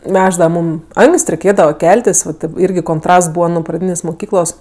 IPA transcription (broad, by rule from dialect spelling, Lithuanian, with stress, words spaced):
ˈnʲæːʒdɐʋɐ ˈmuːm ˈɐŋksʲtʲ rʲɛɪˈkʲeːdɐʋɐ ˈkʲɛlʲtʲɪs ʋɐ tɐɪp ˈɪrʲɡʲɪ koːnˈtrɐsts ˈbuːʋɐ nuɔ prɐˈdʲiːnʲeːsʲ mʊˈkʲiːklˠoːs